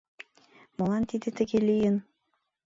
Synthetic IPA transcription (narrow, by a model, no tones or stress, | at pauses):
mɑlˠɑnt̪id̪ɘt̪ɘ̆ɡelʲijɘn